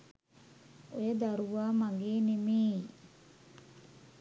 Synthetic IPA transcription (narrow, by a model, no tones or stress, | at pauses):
ojɐd̪ɐɾuʋaːmaɡiːnimiː